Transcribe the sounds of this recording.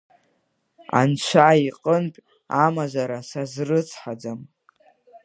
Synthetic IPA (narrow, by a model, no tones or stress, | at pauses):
a̰nt͡ʃʷʰaiqʼənpʲʼ | amazaɾasazrɨt͡sʰħad͡zam